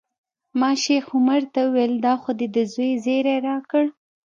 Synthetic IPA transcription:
mɑʃexʊmaɾt̪awuweld̪ɑxod̪ed̪əzojzeɾeɾɑkəɽ

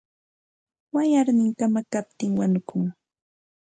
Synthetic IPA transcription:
wajaɾnɪŋkamakap̚t̪ɪŋwanʊkʊŋ

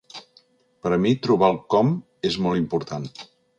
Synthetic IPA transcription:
pəɾəmit̪ɾuβalˠkɔm | ezmɔlˠimpuɾt̪an

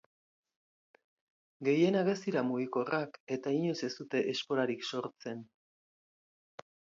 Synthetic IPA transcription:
ɡe̞je̞naɣest̪iɾamuɣiko̞rake̞t̪aiɲo̞se̞st̪ut̪e̞ʔesko̞ɾaɾikso̞ɾt͡se̞n

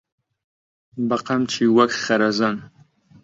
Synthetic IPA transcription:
bɐqɐmt͡ʃʰiwɐkχɐɾɐzɐn

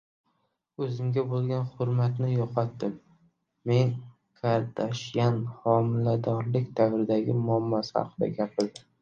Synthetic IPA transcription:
ɵzɪmɡʲabolˠɡʲanhʊɾmat̪nɪjɒqʰɒt̪ːɪmː | e̞n | kʰaɾd̪ʰaʃjanhɒmɪlad̪ɒɾlɪkʲd̪avɾɪd̪aɡʲɪmʊamːɒsɪha̰qʰɨd̪a̰ɡʲapʰɪld̪ɪm

